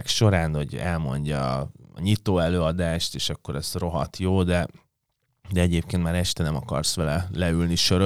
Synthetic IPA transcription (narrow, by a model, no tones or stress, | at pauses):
kʃo̞ɾaːnoɟɛ̰lmo̞̰ɲɟɒ̰ːɲit̪oːɛløːɒd̪aːʃt̪eːʃɒkːo̞ɾɛz̥ro̞ɦɒt̪joːd̪ɛ | d̪ɛɛɟeːp̚keːnt̪maːɾɛʃt̪ɛnɛmɒkɒ̰rsʋɛlɛlɛylniʃøɾø